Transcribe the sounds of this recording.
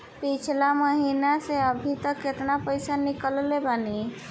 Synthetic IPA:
pit͡ʃʰlaməɦinaseəbʱit̪əkːet̪napəjsanikəllebani

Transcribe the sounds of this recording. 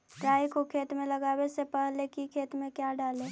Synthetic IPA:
ʈɾaːjkokʰeːt̪mẽləɡaːwesepəɦlekikʰeːt̪mẽkjaɖaːleː

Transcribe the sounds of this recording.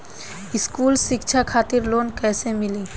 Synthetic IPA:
ɪskuːlʃɪkt͡ʃʰakʰaːt̪ɪɾloːnkɛːsemɪlĩː

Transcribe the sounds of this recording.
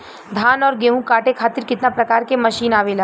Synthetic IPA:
d̪ʱaːnɔːɾɡeːɦũkaːʈekʰaːt̪ɪɾkɪt̪napɾɐkaːɾkemɐʃiːnaːʋelaː

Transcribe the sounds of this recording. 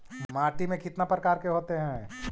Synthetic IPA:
maːʈimẽkɪt̪napɾəkaːɾkeɦoːt̪eɦɛ̃

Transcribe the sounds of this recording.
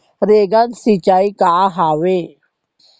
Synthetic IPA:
ɾeːɡãnsit͡ʃaːikaɦaːwẽ

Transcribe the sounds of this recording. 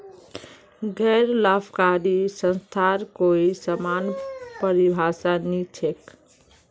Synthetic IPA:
ɡɛɾlapʰkaɾisə̃nst̪ʰaɾkoisəmanpəɾibʱasanit͡ʃʰek

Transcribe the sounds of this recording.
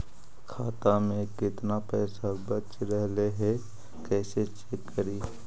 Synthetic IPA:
kʰaːt̪amẽkɪt̪napɛːsabət͡ʃɾɛɦleɦɛ | kɛːset͡ʃeːkːəɾiː

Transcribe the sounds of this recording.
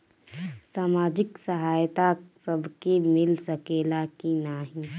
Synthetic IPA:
saːmaːd͡ʒɪksəɦaːjt̪asəbʱkemɪlsəkeːlakinaːɦi

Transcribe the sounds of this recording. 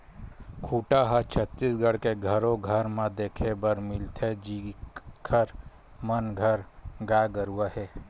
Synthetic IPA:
kʰuːʈaɦat͡ʃʰət̪ːisɡəɽ̤keɡʱəɾõɡʱəɾmãd̪eːkʰebəɾmɪlt̪ʰɛd͡ʒikʰəɾ | mənɡʱəɾɡaːɡəɾuaɦɛː

